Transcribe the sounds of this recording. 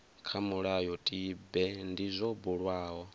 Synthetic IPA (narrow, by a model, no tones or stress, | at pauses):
kʰamuɺajɔtʼibɛndizʷɔbuɺwaːɦɔ